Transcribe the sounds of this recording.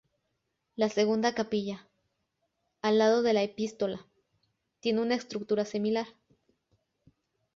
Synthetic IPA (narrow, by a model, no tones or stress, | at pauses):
lase̞ɣund̪akapiʝa | lːað̞o̞ðe̞laepist̪o̞la | t̪je̞neunaest̪ɾuk̚t̪uɾasimilaɾ